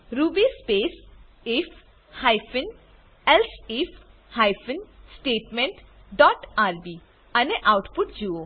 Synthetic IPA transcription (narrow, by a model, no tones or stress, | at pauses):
ɾubispeːs | if | hajfɪn | elsif | hajfənsʈeːʈmeɳʈ | ɖɔːʈaːɾbiː | ɐneʔawʈpʊʈ̚d͡ʒuoː